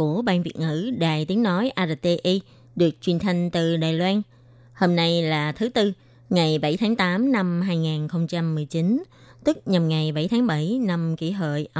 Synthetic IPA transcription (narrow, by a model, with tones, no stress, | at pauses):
ku˧˩əɓaː˧nvi˨˩ət̚ŋɨ̰˧˩ɗa̰ː˨˩jt̪i˨˦əŋno˨˦jʔaː˧ɗə˨˩t̪e˧ʔi˧ | ɗɨ˨˩ək̚t͡ɕwi˨˩ənt̪ʰa˧jŋ̟t̪ɨ˨˩ɗaː˨˩jlwaː˧n | ho˧mna˧jlaː˨˩t̪ʰɨ˨˦t̪ɨ˧ | ŋa˨˩jɓa˧˩jt̪ʰaː˨˦ŋt̪aː˨˦mna˧mɦaː˧jŋaː˨˩nxə˧wŋ͡mt͡ɕa˧mːɨ˨˩əjt͡ɕi˨˦n | t̪ɨ˦˥k̚ɲa˨˩mŋa˨˩jɓa˧˩jt̪ʰaː˨˦ŋɓa˧˩jna˧mkḭ˧˩ɦə̰ː˧˨jʔ